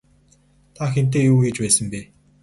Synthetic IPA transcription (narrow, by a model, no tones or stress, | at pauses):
t̪ʰaxen̥t̪̬eːjuːɡet͡ɕpæːsə̆mpeː